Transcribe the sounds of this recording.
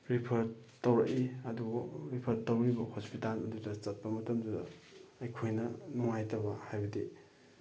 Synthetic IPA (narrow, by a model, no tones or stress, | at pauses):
ɾipʰɐɾtowɾɐkiɐduɡɾipʰɐɾtowɾibɐhospitalɐdudɐt͡ʃɐt̚pɐmɐtɐmdudɐ̰ːjkʰojnɐnuŋajtʰɐbɐhajbɐdi